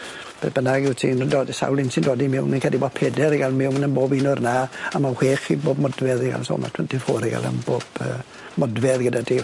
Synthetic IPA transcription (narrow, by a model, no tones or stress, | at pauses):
b̥eb̥ənaɡɪwtʰḭːndoːdsa̰wlˠɪnsɪndoːdimɪwənkʰədibɔpʰɛdɛɾiɡalˠmɪwmnənboːbinʊrnaamahweːχiboːbmɔdvɛðiɡa̰lˠso̰ːlˠma̰tʰənd̥ɪfoːɾiɡa̰lˠə̰mboːb̥ə̰ː | mɔdvɛðɡədadiː